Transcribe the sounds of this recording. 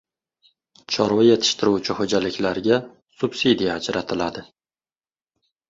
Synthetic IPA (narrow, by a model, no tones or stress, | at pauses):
t͡ʃʰɒɾwaje̞t̪ʰɪ̥ʃt̪ʰɪɾuwt͡ʃʰɪhod͡ʒalɪkʲʰlaɾɡʲa | sʊbsid̪ijaːd͡ʒɾat̪ʰɪlad̪ɪ